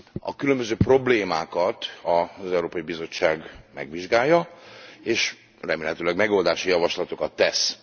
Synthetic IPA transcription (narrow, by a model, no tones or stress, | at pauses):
ɒ̰kylømbøzøːpro̞bleːmaːkɒt̪ɒzɛuɾoːpɒjibizo̞t͡ʃːaːɡmɛ̰ɡʋiʒɡaːjːɒeːʃ | rɛmeːlɦɛt̪øːlɛɡmɛɡo̞ld̪aːʃijɒvɒʃlɒt̪o̞kɒt̪ːɛs